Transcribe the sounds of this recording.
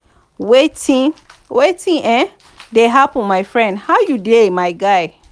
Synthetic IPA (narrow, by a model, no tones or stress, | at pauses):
wetĩwetʰĩʔɛ̃ | deɦapɔ̃nmaɪfɹɛ̃ndhaʊjudemaɪɡaɪ